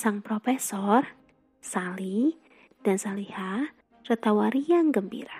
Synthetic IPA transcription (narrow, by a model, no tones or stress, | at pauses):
saŋpɾɔfɛsɔr | sali | d̥ansaliha | rət̪awaɾiaŋɡəmbḭɾa